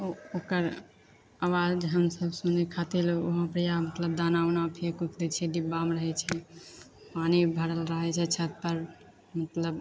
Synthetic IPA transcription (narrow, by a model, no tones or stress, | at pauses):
ookəɾ | awad͡ʒd͡ʒɦəmsəbsunekʰat̪iloɦə̃pɾijamət̪ləb̚d̪anawnapʰekukd̪ɛt͡ʃʰɛɖ̪ibːamɾəɦɛt͡ʃʰɛ | panibʱəɾəlɾəɦɛt͡ʃʰɛt͡ʃʰət̪̚pəɾ | mət̪ləb